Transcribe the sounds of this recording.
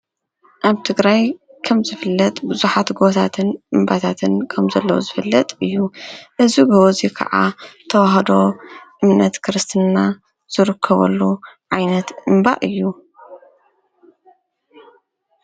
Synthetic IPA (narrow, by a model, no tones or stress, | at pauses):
ʔaβt̪ʰɨɡɾajkʰɐmzɨfɨlːɐt̪ʼbɨzuħat̪ɡot̪ʰat̪ʰɨnʔɨmbat̪ʰat̪ʰɨnkʰɐmzɐlːɐwṵzɨfɨlːɐt̪ʼɨjːuʔɨzibɨozikʰɐ̰ʕa̰t̪ʰɐwaɦɐd̪o̞ʔɨmnɐt̪kʰɨɾɨst̪ʰɨnːa | z̥ɨɾɨkʰːɐβɐ̰lːuʕajnɐt̪ɨmba̰ʔɨjːu